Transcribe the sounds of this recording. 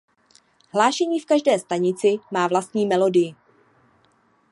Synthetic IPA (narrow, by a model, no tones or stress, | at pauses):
hlaːʃɛɲiːfkaʒdɛːst̪aɲɪt͡sɪmaːvlast̪ɲiːmɛlo̞dɪjɪ